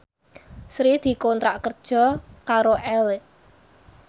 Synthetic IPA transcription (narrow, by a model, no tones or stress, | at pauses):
sɾid̪̥i̤kɔnt̪ɾaʔkərd̥ʒ̥ɔ̤kaɾoʔɛl